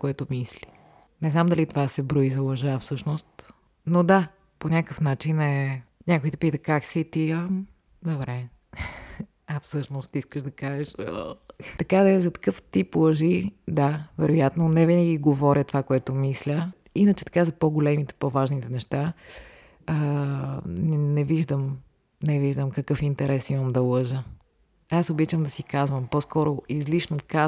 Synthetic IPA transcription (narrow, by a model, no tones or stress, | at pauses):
koɛt̪omisli | nɛznamd̪ɐlit̪ovasɛbɾuizɐlˠɐʒafsɤʃnost̪ | nod̪a | ponʲakəfnat͡ʃinɛnʲakojt̪ɛpit̪əkaksit̪ia | d̪obɾɛ | ɐfsɤʃnost̪iskəʃd̪ɐkaʒɛʃət̪ɐkad̪ɐɛzɐt̪ɐ̥kɤft̪iplˠəʒid̪avɛɾojat̪nonɛvinəɡʲiɡovɔɾʲʔʲət̪ovakoɛt̪ʊmislʲə | inət͡ʃɛt̪ɐ̥kazɐpoɡolɛmit̪ɛ̥pɔvaʒnit̪ɛnɛʃt̪a | ə | nɛnɛviʒd̪əm | nɛviʒd̪əmkɐkɤfint̪ɛɾɛsiməmd̪ɐlˠɤʒə | asobit͡ʃəmd̪ɐsikazvəmpɔskɔɾoizliʃnoka